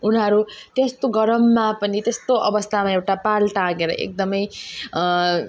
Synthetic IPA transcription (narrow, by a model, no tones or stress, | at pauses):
unɦʌɾut̪est̪oɡʌɾʌmːapʌnit̪est̪oʔʌbʌst̪ʰamaewʈapalʈãɡeɾʌ̰ʔḛk̚d̪ʌmʌj